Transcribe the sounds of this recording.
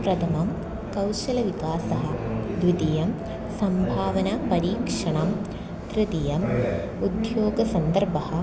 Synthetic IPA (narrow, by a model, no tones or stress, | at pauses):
pɾɐt̪ʰɐmɐm | kɐwʃɐlɐʋikaːsɐɦɐ̆d̪ʋid̪ijɐm | sɐmbʱaːʋɐnɐpɐɾiːkʂɐɳɐm | t̪ɾɪt̪ijɐm | ud̪joːɡɐsɐnd̪ɐɾbɐɦɐ̆